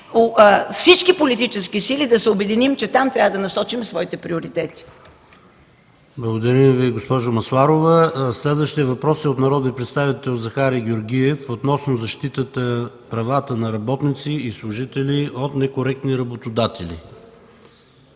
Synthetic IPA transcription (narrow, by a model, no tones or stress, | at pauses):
ofsit͡ʃkipolit̪it͡ʃɛskisilid̪ɐsɛobɛd̪inimt͡ʃɛt̪amt̪ɾʲavəd̪ɐnɐsɔt͡ʃimsvɔit̪ɛpɾioɾit̪ɛt̪i̥ | blˠɐɡod̪ɐɾəmviɡospɔʒomɐsaɾovəslɛd̪vəʃt̪iɛvɐpɾɔsiot̪nɐɾɔd̪nipɾɛt̪st̪avit̪ɛlˠzɐxaɾiɡʲoɾɡʲiɛfot̪nɔsnozɐʃt̪it̪ət̪ə | pɾɐvat̪ənɐɾɐbɔt̪nit̪siːslˠʊʒit̪ɛlʲiot̪nɛkoɾɛk̚t̪niɾɐbot̪od̪at̪ɛlḭ